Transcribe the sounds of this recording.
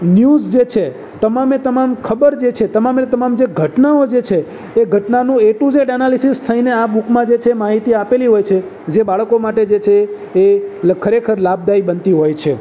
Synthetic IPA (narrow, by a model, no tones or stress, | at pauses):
njuzd͡ʒet͡ʃʰe | t̪əmamet̪əmamkʰəbəɾd͡ʒet͡ʃʰet̪əmamet̪əmamd͡ʒeɡʱəʈnaod͡ʒet͡ʃʰeː | ɡʱəʈnanũeʈũd͡ʒeɖɛnalisist̪ʰəineabukmãd͡ʒet͡ʃʰemaɦit̪iapeliɦojt͡ʃʰe | d͡ʒebaɭkomaʈed͡ʒet͡ʃʰeː | kʰəɾekʰəɾlab̚d̪aibənt̪iɦojt͡ʃʰe